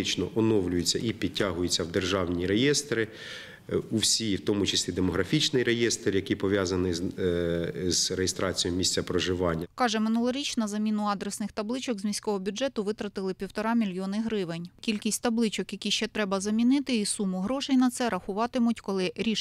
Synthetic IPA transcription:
ɪt͡ʃnɔʔɔnɔwlʲʊjʊt͡sʲːɐ̰ʔipʲid̪̚ʲtʲːaɦʊjʊt͡sʲːɐwd̪erʒɑwnʲiɾejɛst̪ɾɪ | uwsʲiwt̪ɔmʊt͡ʃɐsʲlʲid̪emɔɦɾɐfʲit͡ʃnɪjɾejɛst̪rjɐkipɔʋʲjazɐnɪ | z̥rejest̪ɾɑt͡sʲijɔmʲisʲt͡sʲɐpɾɔʒɪʋɑnʲːɐkɑʒɛmɪnulˠɐɾʲit͡ʃnɐzɐmʲinʊɑd̪ɾesnɪxt̪ɐblˠɪt͡ʃɔɡzmʲisʲkɔɦɔbʲʊd͡ʒɛt̪ʊʋɪt̪ɾɐt̪ɪlˠɪpʲiwt̪ɔɾɑmʲilʲjɔnɪɦɾɪʋɪnʲkʲilʲkʲisʲtʲt̪ɐblˠɪt͡ʃɔkjɐkʲiʃt͡ʃɛt̪ɾɛbɐzɐmʲinɪt̪ɪisumʊɦɾɔʃɛjnɐt̪sɛɾɐxʊʋɑt̪ɪmʊtʲkɔlˠɪɾʲi

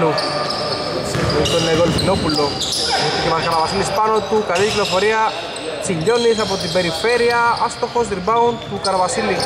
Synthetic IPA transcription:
lu | sioit̪olːeɣolfinopuloet̪ːikeaɾkaɾaβasilispanot̪ukaðiklofoɾia | t͡ʃiʎonisapot̪̬ipeɾifeɾjaast̪oxozd̪iɾβawnt̪ukaɾaβasili

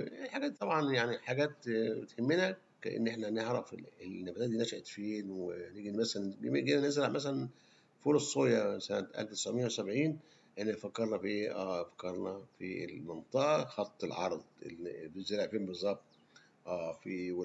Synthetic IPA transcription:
ħaɡæːt̪t̪ːˤɑbʕɑnjaʕniħaɡæːt̪bet̪hemːenæ | kːæ̰ʔḛnːʔeħnæneʕɾˤɑfeelnːæbæt̪æd̪iːnæʃæʔt̪feːnweneɡimæsælænbemeɡenænezɾæʕmæsælæn | foːlɑssoːjæsænæt̪ʔæ̰lft̪e̥sʕmejːæwesæbʕiːn | ʔeħnæfækːɑɾˤnɑfiʔeːʔæːfæ̥kːɑɾˤnɑfḭlment̪ˤɑʔɑxɑt̪ˤːelʕɑɾˤd̪ˤḛb̪ezeɾeʕfeːnbezˤːɑb̚t̪ˤ | ʔæːfiwe

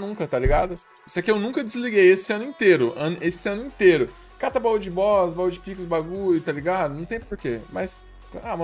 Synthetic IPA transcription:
nũŋkɐt̪aliɡad̪ʊ | isʊakʲiewnũkɐd͡ʒɪzliɡejesɪɐ̃nʊĩt̪eɾʊɐ̃nʊʔesɪɐ̃nʊĩt̪eɾʊ | kat̪ɐbauʊd͡ʒɪbɔsbawʊd͡ʒɪpikʊzbaɡuʎʊt̪aliɡad̪ʊnɐ̃w̃t̪ẽj̃poɾkemɐs | amɐ

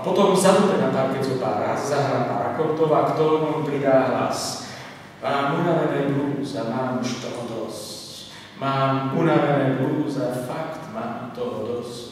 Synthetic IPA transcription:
apɔt̪ɔmzad̪umɛnat̪amkɛzɔpa̰ːɾa̰zzaɦɾaːpa̰ːɾa̰kɔpt̪ɔʋakt̪ɔɾumɔmpɾid̪aːaɦla̰s | maːmunaʋɛnɛbluːzamaːmuʃt̪ɔɦɔd̪ɔsc | maːmunaʋɛnɛluːzafakt̪maːmt̪ɔɦɔd̪ɔs

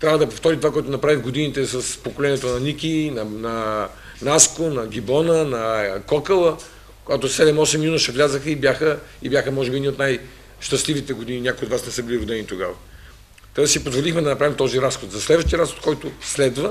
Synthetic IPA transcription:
t̪ɾʲavəd̪ɐpoft̪ɔɾit̪ovakɔɛt̪onɐpɾavixɡod̪init̪ɛsɐspokolɛnʲiɛt̪onɐnikʲinɐnɐ | naskonɐɡʲibɔnənɐkɔkəlˠə | koɡat̪osɛd̪ɛmɔsɛmːnunəʃɛvlʲazəxəibʲjaxəibjaxəmɔʒɛbiɛnʲiot̪naj | ʃt̪ɐst̪lʲivit̪ɛɡod̪ininʲakʊjod̪vasnɛsɤbilʲiɾod̪ɛnit̪oɡavɐ | t̪ɾɛd̪əsipozvolʲixmɛd̪ɐnɐpɾavimt̪ɔziɾasxot̪zɐslɛd̪vəʃt̪ijəɾasxot̪̚kɔjt̪ʊslɛd̪və

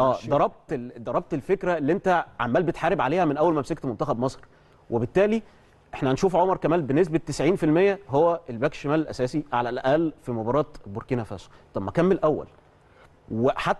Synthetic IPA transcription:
ʔæːd̪ɑɾˤɑb̚t̪d̪ɑɾˤɑb̚t̪elfekɾæelːiʔent̪æʕa̰mːæːlbet̪ħaːɾebʕaleːhæmenʔæwælmæmsækt̪mont̪æxæbmɑsˤɾ | webet̪ːæːli | ʔeħnænʃuːfʕomɑɾˤkæmæːlbenːes̬bet̪ːesʕiːnfilmejːæɦowːæelbæːkʃæmæːlelʔæ̰sæːsiʕa̰lælʔæʔælːfimobɑɾˤɑːt̪boɾkiːnæfæ̰ːso̥t̪ˤɑbmːækæmːelʔæwːæ̰l | weħat̪ː

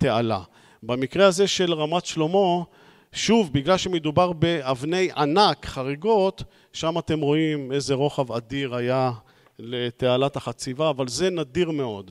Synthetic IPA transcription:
t̪e̞ala̰ | bamikʁeaze̞ʃe̞lʁamat̪ʃlo̞mo̞ | ʃuvbiɡlalʃe̞med̪ubaʁbe̞avne̞jʔanakχaʁeɡo̞t̪ | ʃamat̪e̞mʁo̞ime̞zeʁo̞χavadiʁaja | let̪ealat̪aχat͡sivaːvalze̞nadiʁmeo̞d̪

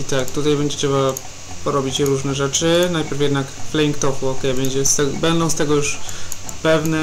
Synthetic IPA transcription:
it̪akt̪ut̪ajbɛɲd͡ʑɛt̪ɛva | pɔɾɔbʲit͡ɕɾuʐnɛʐɛt͡ʂɘnajpʲjɛɾfjɛd̪nakflɛiŋkt̪ɔfuɔkɛjbɛɲd͡ʑɛst̪ɛɡbɛnd̪ɔ̃w̃st̪ɛɡɔjuʂpɛvnɛ

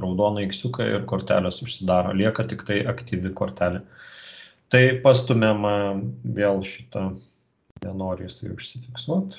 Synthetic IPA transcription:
ɾɐʊd̪oːnɐɪksʲʊkɐɪ̰rkoːɾʲt̪ʲæ̰ːlʲɛsʊʃʲsʲɪd̪ɑːɾo̰ːlʲiɛkɐt̪ʲɪkt̪ɐɪʔɐkt̪ʲiːʋʲɪkoːɾʲt̪ʲæːlʲɛ | t̪ɐɪpɐst̪ʊmʲɛmɐʋʲeːlˠʃʲɪt̪ɐ | nʲɛnoːɾʲɪjɪsɐɪʊʃʲsʲɪfʲɪksˠuɔt̪

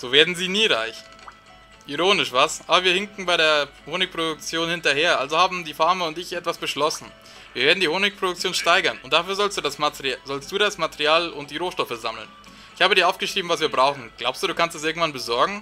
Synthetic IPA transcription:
z̥oːveːɐdn̩ziːniːʁaɪç | ʔiʁoːnɪʃv̥asʔaːbɐviːɐhɪŋkŋ̩baɪɾeːɐhoːnɪk̚pʁ̥odʊk̚t͡sjoːnhɪntɐheːɐʔalzohaːbm̩diːfaɐməʊntɪçʔɛtv̥asb̥əʃlɔsn̩ | viːɐveːɐdn̩diːhoːnɪk̚pʰʁ̥odʊk̚t͡sjoːnʃtaɪɡɐnʊnt̚d̥afyːɐzɔlstd̥uːdasmatzɔlstd̥uːɾasmateʁiaːlʊnt̚d̥iːʁoːʃtɔfəzaml̩n | ʔɪçhaːbədiɐʔaʊfɡ̥əʃʁ̥iːbm̩vasv̥iːɐbʁaʊxŋ̩ɡ̥laʊpstd̥uːduːkʰanstɛs̬ʔɪɐɡŋ̩tv̥anbəzɔɐɡŋ̩

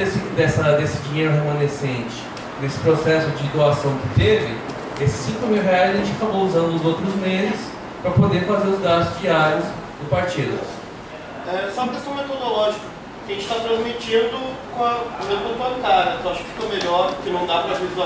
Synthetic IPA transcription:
esĩkʊd̪ɛsɐd̪esɪd͡ʒĩɲejɾʊɦemɐ̃nesẽnt͡ʃɪ̥ | nesɪ̥pɾosɛsʊd͡ʒɪd̪oasɐ̃w̃kɪt̪evɪ | esɪ̥sːĩŋkʊmiwɦeajzaʒẽt͡ʃakabouzɐ̃nd̪ʊʊzowt̪ɾʊzmezɪs | pɾɐpod̪eɾfazeɾʊzɡast̪ʊzd͡ʒiaɾjʊs | d̪ʊpaɾt͡ʃid̪ɐ | ɛsɔ̃ɐkest̪ɐ̃met̪od̪olɔʒikɐ̥ | kʲɪɐʒẽt͡ʃɪt̪at̪ɾɐ̃zmit͡ʃĩnd̪ʊkõɐlɐ̃b̪ɐ̃bbɐ̃kaɾɐ̃t̪ɐ̃w̃aʃʊ̥kɪ̥fi̥komeʎɔɾkɪnɐ̃w̃d̪apɾɐzeza

